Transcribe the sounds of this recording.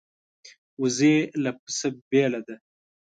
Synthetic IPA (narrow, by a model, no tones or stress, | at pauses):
uzelap̚ə̥sabeːlad̪a